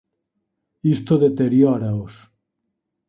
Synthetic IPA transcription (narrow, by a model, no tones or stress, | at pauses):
ist̪oðet̪eɾjɔɾaos